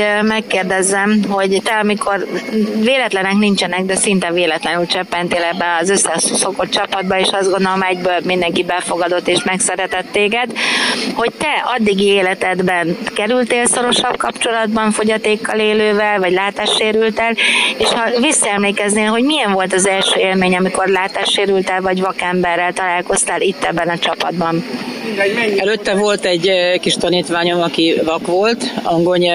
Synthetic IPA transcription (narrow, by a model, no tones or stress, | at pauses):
mɛkːeːrd̪ɛzːɛmɦo̞ɟt̪ɛɒmikʰo̞rveːlɛt̪lɛnɛknint͡ʃɛnɛɡ̚d̪ɛsint̪ɛveːlɛt̪lɛnylt͡ʃɛpːɛnt̪eːlɛbːɛɒzøsːɛso̞ko̞t̪̚t͡ʃɒpɒd̪̚bɒeːʃɒzɡo̞nd̪olomɛɟbøːlmind̪ɛŋkibɛlfo̞ɡɒd̪o̞t̪ːeːʃmɛksɛɾɛt̪ɛt̪ːeːɡɛd̪ho̞c̚t̪ɛɒd̪ːiɡieːlɛt̪ɛd̪bɛnkɛɾylt̪eːlso̞ɾo̞ʃɒb̚kɒpt͡ʃo̞lɒd̪bɒɱfo̞ɟɒt̪eːkːɒleːløːvɛlvɒɟlaːt̪aːʃːeːɾylt̪ɛleːʃhɒvisːɒɛmleːkɛzneːlɦo̞ɟmijɛɱvo̞lt̪ɒzɛlʃøːeːlmeːɲɒmiko̞rlaːt̪aːʃːeːɾylt̪ɛlvɒɟvɒkɛmbɛrːɛlt̪ɒlaːlko̞st̪aːlit̪ːɛbːɛnɒt͡ʃɒpɒd̪bɒn | ɛløt̪ːɛvo̞lt̪ɛɟkiʃt̪ɒniːt̪ʋaːɲo̞mɒkivɒkʋo̞lt̪ɒŋɡoɲɛ